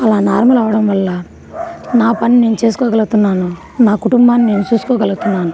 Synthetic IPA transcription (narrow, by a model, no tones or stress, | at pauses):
ɐlaːnaːɾmɐlɐʋɐɽɐmʋɐlːɐ | naːpɐnːine̞ːnut͡ʃe̞ːsu̥koːɡɐlɡut̪unːaːnu | naːkuʈumbaːnːine̞ːnut͡ʃuːsu̥koːɡɐluɡut̪unːaːnu